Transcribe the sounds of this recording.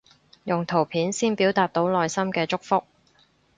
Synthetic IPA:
jʊ˨ŋt̪ʰo˨˩wpʰiː˨˥nsiː˥npiː˨˥wt̪aː˨t̚t̪o˨˥wlɔː˨˧jsɐ˥mkɛː˧t͡sʊ˥k̚fʊ˥k̚

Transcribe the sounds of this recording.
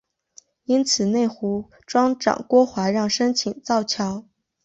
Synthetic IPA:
i˥nt͡sʰɹ̩˨˩ne˥˩ɪxu˧˥ | ʈ͡ʂwɑ˥ŋʈ͡ʂɑ̰˨˩ŋkwɔ˥xwa˧˥ɻɑ˥˩ŋʂə˥nt͡ɕʰi˨˩ŋt͡sɑ˥˩ʊt͡ɕʰjɑ˧˥ʊ

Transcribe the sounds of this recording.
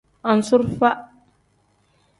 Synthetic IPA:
a˨n̩˨su˦ɾfa˦ʔ

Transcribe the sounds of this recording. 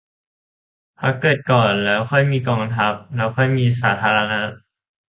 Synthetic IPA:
p̪ʰa˧˥˩kːɤː˨˩t̪̚kɔː˨˩nlɛː˦˥wkʰɔ˥˩jmiː˧kɔː˧ŋt̪ʰa˦˥p̚lɛː˦˥wkʰɔ˥˩jmiː˧s̬aː˩˦t̪ʰaː˧la˧na˦˥t̪̚

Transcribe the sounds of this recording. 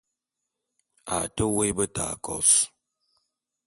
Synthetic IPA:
a̰˨tə˦we˦bə˦ta̰˨kɔ̰˨s

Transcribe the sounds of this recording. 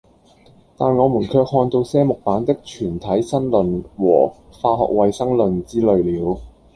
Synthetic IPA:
t̪aː˨˩nŋɔː˨˧muː˨˩nkʰœː˧k̚hɔː˧nt̪o˧wsɛː˥mʊ˨k̚paː˨˥nt̪ɪ˥k̚t͡ʃʰyː˨˩nt̪ʰɐ˨˥jsɐ˥nlɵ˨nwɔ̰ː˨˩ | faː˧ɦɔ̰ː˨k̚wɐ˨jsɐ˥ŋlɵ˨nt͡siː˥lɵ˨ɥliː˨˧˥w

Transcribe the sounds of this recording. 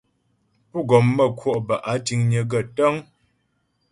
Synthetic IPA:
pu˦˨ɡɔ˨mːə˦˨kʰwɔ˦˨ʔbə˨ʔa˨˦ti˨˦ŋɲə˨˦ɡə˦˨tə˦ŋ

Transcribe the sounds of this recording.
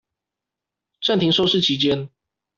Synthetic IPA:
ʈ͡ʂa˥˩nt̪ʰi˨˥ŋʂo˥˧ʊʂɻ̩˥˩t͡ɕʰi˨˥t͡ɕjɛ˦n

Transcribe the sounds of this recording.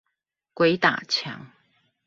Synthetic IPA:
kwe˧˦ɪt̪a̰˨˩t͡ɕʰja̰˧˦ŋ

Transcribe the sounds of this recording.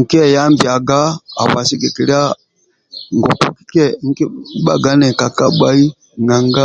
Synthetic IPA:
ŋ̩˨kɛ˦˨ja˦mbja˨ɡa˦a̰˨βa˨si˦ɡɛ˨kɛ˨la˦ | ŋ˨ɡɔ˨ku˦ki̥˦kɛ˦ŋ̩˦kɛ˦i˦ɓa̰˨ɡa˦nɛ˨ka˨ka˦ɓa˦i˦ | ŋɡa˨ŋɡa˦

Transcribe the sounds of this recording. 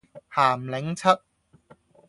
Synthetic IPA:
haː˨˩mlɪ˨˥ŋt͡sʰɐ˥t̚

